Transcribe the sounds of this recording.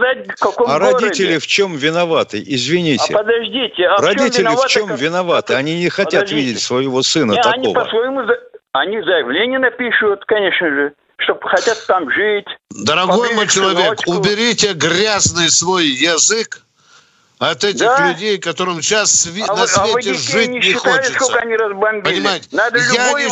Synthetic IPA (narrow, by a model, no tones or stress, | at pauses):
zat̚ʲkɐkoɾɐdʲitʲɪlʲɪft͡ɕo̞mvʲɪnɐvat̪ɨ̰jɪzvʲɪnʲitʲɪ̰pəd̪ɐʐdʲitʲɪɐrɐdʲitʲɪlʲɪt͡ɕo̞mvʲɪnɐvat̪ɨɐnʲinʲɪxɐtʲavʲidʲɪtʲsvəjɪvo̞sɨnət̪ɐnkʲio̞vpəəsvɐjɪmuzɐnʲizəjɪvlʲenʲɪjənɐpʲiʂɨjʊt̪kɐnʲeʂnəʐɨ | ʂt̪opxɐtʲat̪ːamʐɨtʲd̪əɾɐɡo̞jmojt͡ɕɪlˠɐvʲe̞kʊbʲɪɾʲitʲeɡɾʲaznɨjsvo̞jːɐzɨk | ɐt̪ɛt̪ʲɪxlʲʉdʲejkɐt̪o̞ɾɨmɕassvʲnɐsvʲetʲɪʐɨtn̚ʲɪnʲɪːɪxt̪olʲɪɪskokəɐnʲiɾəzbɐnbʲpəinʲɪmajɪtʲɪnad̪əljaojɪ